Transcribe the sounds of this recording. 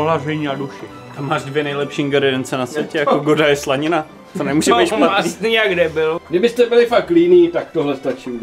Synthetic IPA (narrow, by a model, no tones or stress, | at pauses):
oɦlaʒɛɲiːaduʃɪ | t̪amːaːʒdvjɛnɛjlɛpʃiŋɡaɾɪdɛnt͡sɛnasʋjɛcɛjakoɡodajɛslaɲɪna | t̪onɛmuːʒɛbijasniaɡdɛbɪlɡdɪbɪst̪ɛbɪlɪfakliniːt̪ak̚t̪oɦlɛst̪at͡ʃiː